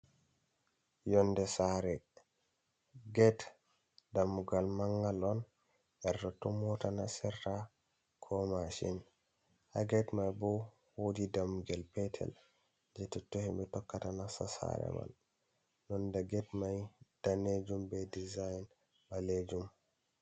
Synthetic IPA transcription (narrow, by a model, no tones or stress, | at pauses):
jɔndɛsaɾɛ | ɡɛt | damːuɡalmaŋɡalɔn | ʔɛɾdɔtɔmɔtanasɛrːa | kʰɔmaʃḭn | ha̰ɡɛtmajbɔ | wodidamːuɡalpɛtʰɛ̰l | d͡ʒɛtɛtohimɛtɔkːatanasasa̰ɾɛ̰ma̰l | nɔndaɡɛtmajd̥aned͡ʒumbɛdizajn | baled͡ʒum